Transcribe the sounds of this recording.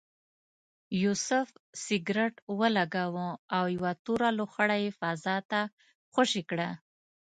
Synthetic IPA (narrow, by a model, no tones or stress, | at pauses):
jusʊfsɪɡɾeʈwəlaɡawəawjwat̪uɾaloxaɽajefazɑt̪a | xaʃikɽa